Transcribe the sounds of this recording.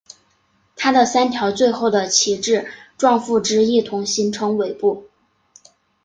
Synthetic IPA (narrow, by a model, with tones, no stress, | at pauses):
t̪ʰa˥d̪ə˨sa˥nt̪ʰjɑ˧˥ʊt͡swe˥˧ɪxo˥˩ʊd̪ə˩t͡ɕʰi˧˥ʈ͡ʂɻ̩˥˩ʈ͡ʂwɑ˥˧ŋfu˥˩ʈ͡ʂɻ̩˥i˥˩t̪ʰʊ˧˥ŋɕi˧˥nʈ͡ʂʰɤ˧˥ŋwe˨˩ɪpu˥˩